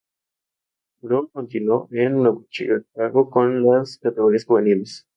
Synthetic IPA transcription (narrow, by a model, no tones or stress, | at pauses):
bɾumkont̪inwoʔennoβut͡ʃḭʎokaɣokonlaskat̪eɣo̞ɾiasxuβeniles